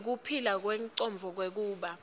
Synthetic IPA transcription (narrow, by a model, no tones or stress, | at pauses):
k̬upʰilak̬wɛŋǀɔmb̪vʱɔk̬wek̬uːɓa